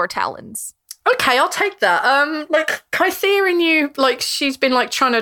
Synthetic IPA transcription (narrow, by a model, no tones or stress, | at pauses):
ɹtʰa̰lˠə̰̃nz̥ | oʊkʰeɪaɪlˠtʰeɪk̚ðætʌ̃mlaɪkkʰə̃naɪsiːəɹɪ̃njʉlaɪkʃizbĩnlaɪk̚tʰɹ̥aɪɪ̃ŋt